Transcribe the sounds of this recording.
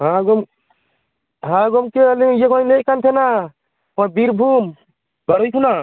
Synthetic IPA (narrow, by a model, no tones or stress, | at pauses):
ɦaɡɔm | ɦãɡɔmkelijekanejkant̪ʰɛna | ɔbiɾbʱum | baɾɔjkʰuna